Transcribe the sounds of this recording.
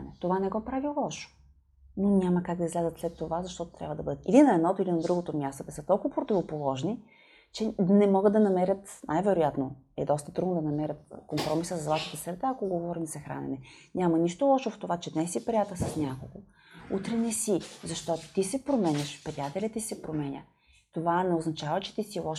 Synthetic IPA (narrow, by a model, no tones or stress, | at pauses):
nɛt̪ovanɛɡɔpɾavilˠɔʃo̥ | nonʲamɐkaɡ̚d̪ɐizɡlazət̪slɛt̪ːovazɐʃt̪ɔt̪o̥t̪ɾʲabvəd̪ɐbɤd̪ət̪ilinɐɛd̪nɔt̪oilinɐd̪ɾuɡot̪omʲjast̪od̪ɐsɤt̪ɔlˠkʊvpɾot̪ʲivopolˠɔʒni | t͡ʃɛnɛmɔɡəd̪d̪ɐnɐmɛɾʲət̪najvɛɾojat̪no | ɛ̰d̪ɔst̪ət̪ɾud̪nod̪ɐnɐmɛɾʲət̪̚kompɾɔmisəsɐzlˠat̪it̪əsɛɾt̪aɐkoɡovɔɾimsɐxɾa̰nɛ̰nɛnʲamɐniʃt̪olˠɔʃoft̪ovat͡ʃɛd̪nɛsipɾʲiat̪əsɐsnʲjakoɡo | ut̪ɾɛnɛsizɐʃt̪ɔt̪o̥t̪isɛpɾomɛnʲəʃpɾiat̪ɛlʲɐt̪isɛpɾomɛnʲə̰ | t̪ovanɛoznɐt͡ʃavɐt͡ʃɛ̥t̪isilˠɔʃ